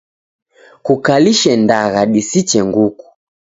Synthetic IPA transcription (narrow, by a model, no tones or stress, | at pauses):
kukaliʃɛndaɣaɗisit͡ʃɛŋɡuku̥